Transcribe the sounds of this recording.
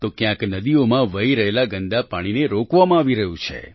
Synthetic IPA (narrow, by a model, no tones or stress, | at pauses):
t̪okjãknəd̪iomãʋəiɾəɦelaɡənd̪apaɽ̃ineɾokʋamãaːʋiɾəɦũt͡ʃʰḛ